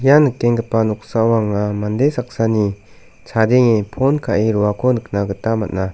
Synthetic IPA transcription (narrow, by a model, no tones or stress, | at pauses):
ijanɯkːeŋɡɯpanɔk̚sawaŋamandesak̚sani | t͡ʃʰadeŋepʰɔnkʰaʔiɾɔwakʰɔnɯk̚naɡɯtamat̚na